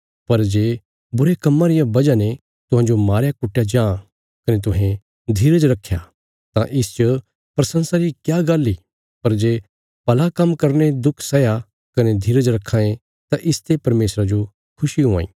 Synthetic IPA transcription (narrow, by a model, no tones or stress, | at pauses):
pɐɾd͡ʒeː | bʊɾekɐmːãɾɪjãbɐd͡ʒane | t̪ʊɦãːd͡ʒomaːɾjakʊʈːjad͡ʒãː | kɐnet̪̬ʊɦẽ | d̪ʱiːɾəd͡ʒɾɐkʰːja̰ | t̪ãʔɪst͡ʃə | pɾɐsə̃nsaɾikjaːɡaːlːi | pɐɾd͡ʒeː | pɐlakɐmkɐɾned̪ʊkʰsɐja | kɐned̪ʱiːɾəd͡ʒɾɐkʰːãːẽ | t̪ãʔɪst̪ʰepɐɾmeːsɾad͡ʒo | kʰʊʃiɦʊ̃ã̰ːḭ̃ː